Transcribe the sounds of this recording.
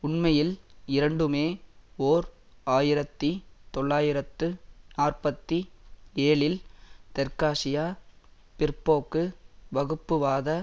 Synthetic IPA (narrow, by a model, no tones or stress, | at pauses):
ʊɳmɐjɪlɪɾɐɳɖɯmeːoːɾ | aːjɪɾɐt̪ːit̪ɔɭːaːjɪɾɐt̪ːɯnaːrpɐt̪ːieːɭɪlt̪ɛɾkaːʂɪjaː | pɪrpːoːkːɯʋɐɣɯpːɯʋaːðɐ